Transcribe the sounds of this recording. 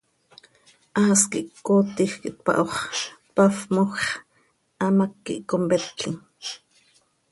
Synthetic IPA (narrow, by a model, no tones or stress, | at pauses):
ʔaːskiʔkːoːt̪ixkiʔt̪̚pɑ̰ʔoχpafmoxχ | ʔɑmakːḭʔkombɛɬkʰiŋ